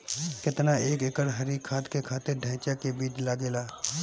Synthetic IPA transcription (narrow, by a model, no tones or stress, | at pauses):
kɪt̪naeːkɪkəɽɦəɾiːkʰːaːt̪kekʰaːt̪eɾɖʱɛ̃ːt͡ʃakebiːt͡ʃlaːɡeːlaː